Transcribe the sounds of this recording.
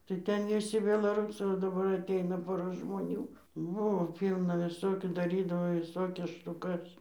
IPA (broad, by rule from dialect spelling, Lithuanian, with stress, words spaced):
tɐɪ ˈtʲɛn ʋʲɪˈsʲɪ bʲɛlˠɐˈruːsɐɪ oː dɐˈbɐr ɐtʲˈɛɪnɐ ˈpoːrɐ ʒmoːˈnʲuː ˈbʊʋoː ˈpʲiːlˠnɐ ʋʲɪˈsoːkʲuː dɐˈrʲiːdɐʋoː ʋʲɪˈsoːkʲɛs ʃtʊˈkɐs